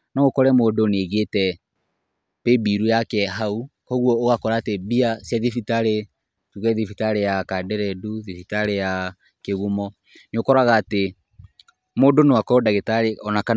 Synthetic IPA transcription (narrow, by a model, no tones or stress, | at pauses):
nɔɣokɔɾɛmoːdoneɣetɛ | pebiɾujakɛɦaukɔɣwɔːɣakɔɾaːtebiasjaðifitaɾe | tuɣɛðifitaɾejakadɛɾɛduðifitaɾeja | keɣumɔ | nokɔɾaɣaːte | moːdonewakɔːdaɣetaɾeɔnaka